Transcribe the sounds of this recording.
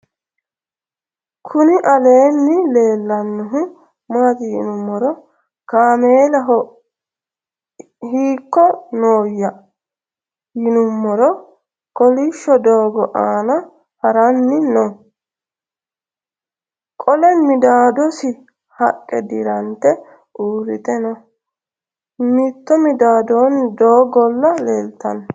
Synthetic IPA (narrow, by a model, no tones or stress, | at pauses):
kʰʊnɪʔɐle̞ːnːɪle̞ːlːɐnːɔɦʊ | maːt̪ɪjɪ̰nʊmːɔɾɔ | kaːmeːlɐɦɔ | hiːkːɔnoːjːɐ | jɪnʊmːɔɾɔ | kɔlɪʃːɔd̪oːɡɔʔaːnɐ | hɐɾɐnːɪno | kʼɔlɛnmɪd̪aːd̪ɔsɪ | hɐkʼːɛd̪ɪɾɐnt̪ːɛ | ʔuːɾɪt̪ʼɛnɔ | mɪt̪ːɔmɪd̪aːd̪ɔːnd̪oːɡɔlːɐleːlt̪ːɐn